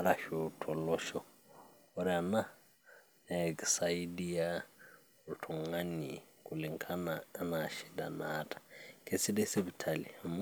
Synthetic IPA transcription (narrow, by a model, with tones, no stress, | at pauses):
aɾa˨ʃotʰɔ˨lɔ˦ʃɔ˦ | ʊɾɪa˨na˦ | ɛ˨ksaidi˦a˦ | tʰɔ˨ŋa˦ni˨kʼule˨ŋ̩kʰa˦na˦naʃi˦da̰˨naːtʼḁkʰe˨si˦de˦se˦bi˨tʰali˨m